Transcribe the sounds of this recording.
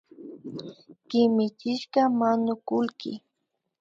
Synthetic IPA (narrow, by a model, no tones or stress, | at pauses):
kɪmɪt͡ʃɪʃkɑmaɲʊkʊlkɪ̰